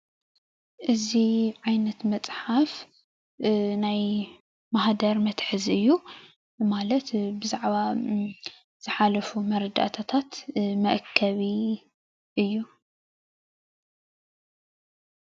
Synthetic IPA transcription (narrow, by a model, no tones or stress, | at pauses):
ʔɨziʕajnɐt̪mɐt͡sʼħaf | naj | maɦd̪ɐɾmɐt̪ħɨzʔɨjːu | malɐt̪bɨzaʕβa | z̥ɨħalɐfumɐɾd̪a̰ʔt̪ʰat̪ʰat̪mɐʔkʰːɐβi | ʔɨjːu